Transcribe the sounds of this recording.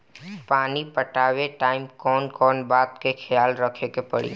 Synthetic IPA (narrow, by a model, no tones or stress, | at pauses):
paːnipəʈaːweʈaːɪmkɔːnkɔːnbaːt̪kekʰɪjaːlɾəkʰekepəɽḭː